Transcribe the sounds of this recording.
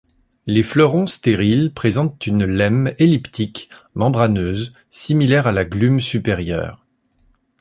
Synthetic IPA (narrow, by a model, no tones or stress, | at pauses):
leflœʁɔ̃st̪eʁilpχezɑ̃t̪ynlɛmelipt̪ik | mɑ̃bʁanøːz | similɛʁalaɡlymsypeʁjœ̰ːʁ